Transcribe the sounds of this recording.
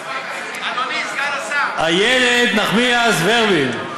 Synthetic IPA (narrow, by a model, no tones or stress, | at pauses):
ajɛled̪naχmiasveʁbil